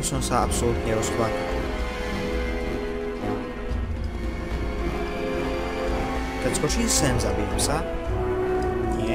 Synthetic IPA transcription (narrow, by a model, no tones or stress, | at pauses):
sɔmsaapsolut̪ɲɛɾosplaki | ja | t̪ɛskot͡ʃisɛnzabiːtamsa | ɲɛ